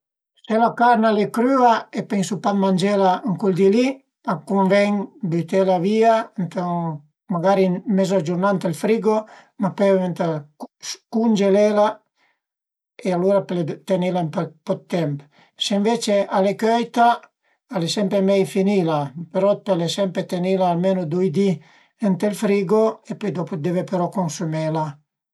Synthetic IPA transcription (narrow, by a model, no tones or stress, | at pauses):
selakaɾnalekɾyːaepeŋsupat̪mand͡ʒelaŋkuld̪ili | akumvɛɲbyt̪elaviant̪aŋ | maɡaɾimezad͡ʒuɾnant̪elfɾiɡo | mapɛent̪askund͡ʒelela | ealuɾapelet̪enilampɛpɔt̪ːɛmp | seɱvet͡ʃeʔalekøjt̪a | alesɛmpɾemɛjfinilapeɾɔpelesɛmpɾet̪enilaːlmenod̪ujd̪i | ɛnt̪elfɾiːɡoepɔjd̪ɔpod̪evepeɾɔkonsumɛla